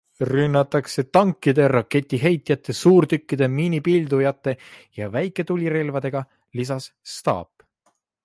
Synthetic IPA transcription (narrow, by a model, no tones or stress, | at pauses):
rynːɑt̪ːˑɑkse̞t̪ɑŋkːˑid̪e̞ɾɑke̞t̪ʲːˑiɦe̞jt̪jɑt̪ːˑe̞suːɾt̪ykːid̪̥e̞miːnipild̪ujɑt̪ːe̞jɑvæjkːˑe̞t̪ulʲiɾe̞lvɑd̪̥e̞ɡ̥ɑ | lis̬ɑsst̪ɑ̰ːp